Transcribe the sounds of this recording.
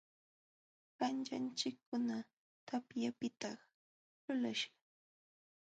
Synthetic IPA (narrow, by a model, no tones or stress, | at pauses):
ɢant͡ʃa̰nt͡ʃɪkːʊna | t̪apjapɪt̪ɑχ | lʊlaʃɑ̥